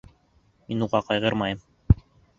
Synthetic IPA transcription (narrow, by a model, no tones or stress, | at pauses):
minuʁɑqɑjʁɤɾmɑjɤm